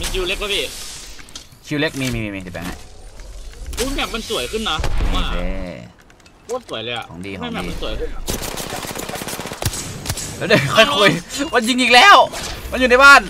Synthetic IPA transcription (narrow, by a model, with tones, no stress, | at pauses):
ma˧nt͡ɕʰi˧le˦˥k̚la˧˥˩ʔiː˧˩ | t͡ɕʰi˧wle˦˥k̚miː˧miː˧miː˧miː˧t̪ʰi˧˩bɛ̰ː˨˩˦ha̰˧˩j | duː˧˥mɛː˧˩ma˧nsu˨˩˦ɐjkɯ˥˩nːa˦˥˧a˧˩ḛː˧˩ | ko˧˩˨nsu˨˩˦jlɤː˧jʔa̰˨˩o˩˦diː˧kːa˧˨mɛ˧˩˧ma˧nsu˨˩˦jkʰɯ˧˥˩n˧˩˧ | lːde˧˩kʰɔ˥˩jku˧˩jwa˧˥nji˧ŋʔiː˨˩k̚lɛː˧˥˩wma˧˥nju˨˩na˧jbaː˥˩n